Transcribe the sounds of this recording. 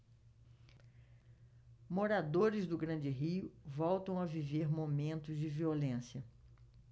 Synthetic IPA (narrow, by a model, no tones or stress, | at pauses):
moɾad̪oɾɪzd̪ʊɡɾɐ̃d͡ʒɪɦiʊvɔwt̪ɐ̃w̃ɐviveɾmomẽnt̪ʊzd͡ʒɪviolẽsjɐ